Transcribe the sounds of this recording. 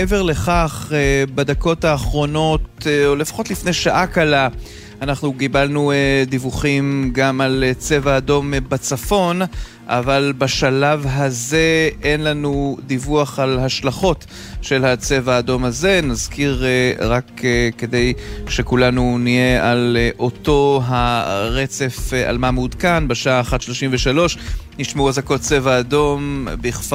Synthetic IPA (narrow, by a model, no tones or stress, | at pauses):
eveʁle̞χaχebad̪ako̞thaːχʁo̞no̞tolefḁχo̞t̪lifnejʃaʔakala | anaχnuɡibalnued̪ivuχimɡamalet͡se̞vaːdo̞mbat͡safo̞n | ʔa̰valbaʃalavɦaze̞e̞nlanud̪ivuaχalhaʃlaχo̞t | ʃe̞lhat͡se̞vaːdo̞mhaze̞nazkʰiʁʁakke̞d̪e̞jʃe̞kulanunije̞alʔo̞to̞ɦaʁet͡se̞fa̰lmamud̪kanbeʃaʔaːχat̪ʃlo̞ʃimveʃalo̞ʃ | niʃmeuazako̞tt͡se̞vaːdo̞mbiχf